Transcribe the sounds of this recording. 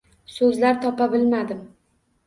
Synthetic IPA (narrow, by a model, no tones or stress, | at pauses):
sɵzlaɾt̪ʰɒpabɪlmad̪ɪm